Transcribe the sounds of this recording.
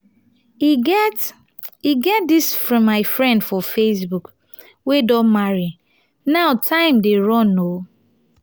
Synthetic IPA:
iɡɛt | iɡɛt̚disfɹɔ̃mːaɪfɹɛ̃ndfɔfes̬buk | wedɔ̃nmaɹi | naʊtʰãɪ̃mdeɹɔ̃no

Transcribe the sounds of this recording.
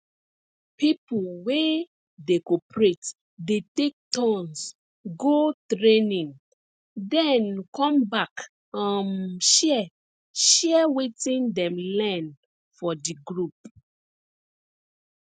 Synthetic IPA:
pipulwe | dekɔpɹet | detek̚tʰɔ̃ns | ɡotɹenĩŋ | dɛ̃nkɔ̃mbak | ãnʃɛ | ʃɛwetĩndɛ̃mlɛ̃n | fɔdiɡɹup̚

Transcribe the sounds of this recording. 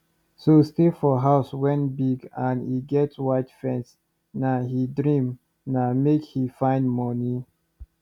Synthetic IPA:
sostefɔɦaʊswɛ̃ntbiɡãniɡɛtwaɪtfɛ̃ns | naɦidɹĩm | namekhifãɪ̃ndmɔni

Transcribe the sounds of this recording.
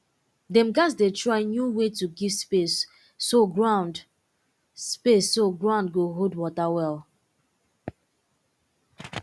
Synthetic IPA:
dɛ̃mɡas̬detɹaɪnjuwetuɡivspesː | oɡɹãʊ̃nd | spesːoɡɹãʊ̃ndɡoɦodwɔtawɛlˠ

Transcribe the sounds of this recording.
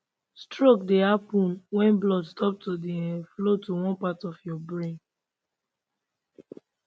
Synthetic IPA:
stɹokdehapũnwɛ̃nblɔdstʰɔp̚todeɛ̃nflotuwɔ̃npatɔfjɔbɹẽn

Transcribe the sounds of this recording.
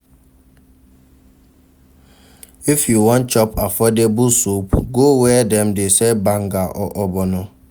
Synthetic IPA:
ifjuwɔ̃nt͡ʃɔpafɔdebusopɡowɛdɛmdesebaŋɡaʔɔ̰ʔɔbɔnɔ

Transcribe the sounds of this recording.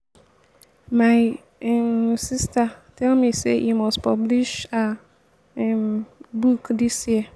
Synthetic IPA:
maɪ | ɛmsistatʰɛlmĩsḛʔimɔstpʰɔbliʃa | bukdisjiə

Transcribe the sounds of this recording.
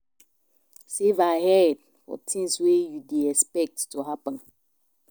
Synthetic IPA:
sevahɛd̚ | fɔ̰tʰĩŋswejudeɛspɛk̚tːuɦapə̃n

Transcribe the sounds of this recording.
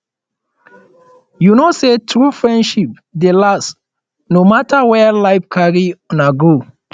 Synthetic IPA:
junosetʰɹufɹɛ̃ndʃip̚ | delas | nomatawɛlaɪfkʰaɹiɔnaɡo

